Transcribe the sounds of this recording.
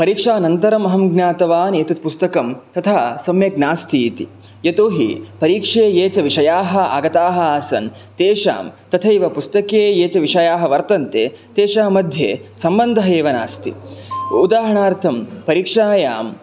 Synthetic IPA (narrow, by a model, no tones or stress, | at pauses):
pɐɾiːkʂaːnɐnt̪ɐɾɐmɐɦɐmɡnaːt̪ɐʋaːneːt̪ɐt̪pust̪ɐkɐmt̪ɐt̪ʰasɐmjɐɡ̚naːst̪ʰiːt̪ḭ | jɐt̪oːɦḭpɐɾiːkʂeːjeːt͡ʃɐʋiʂɐjaːɦɐ̆a̰ːɡɐt̪aːɦɐ̆aːsɐn | t̪eːʂa̰ːmt̪ɐt̪ʰɐiʋɐpust̪ɐkeːjeːt͡ʃɐʋiʂɐjaːɦɐʋɐɾt̪ɐnt̪eː | t̪eːʂaːmɐd̪ʱjḛːsɐmbɐnd̪ʱɐɦɐeːʋɐna̰ːst̪ʰḭud̪aːɦɐɳaːɾt̪ʰɐmpɐɾiːkʂaːjaːm